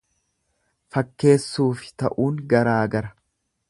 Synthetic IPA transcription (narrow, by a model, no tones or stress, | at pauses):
fɐkːe̞ːsːuːfɪ̥t̪ɐʔuːŋɡɐɾaːɡɐɾɐ̥